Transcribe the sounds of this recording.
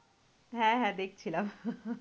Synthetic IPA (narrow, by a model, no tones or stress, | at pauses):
ɦɛ̃ɦɛ̃d̪eːk̚ʰt͡ʃʰilɐb